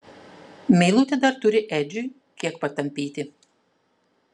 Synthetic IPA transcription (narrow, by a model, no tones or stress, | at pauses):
mʲɛɪlˠuːt̪ʲɛd̪ɐɾt̪ʊɾʲɪʔɛːd͡ʒʲʊj | kʲiɛkpɐt̪ɐmʲpʲiːt̪ʲɪ